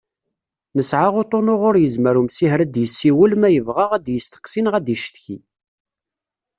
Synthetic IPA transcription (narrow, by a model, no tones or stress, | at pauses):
nəsʕaʁot̪ˤonʊʁʊɾjəzməɾumsihɾæd̪jəsːiwəlmæjəvʁəʁæd̪jəst̪ə̥qsinʁæd̪əʃt̪çi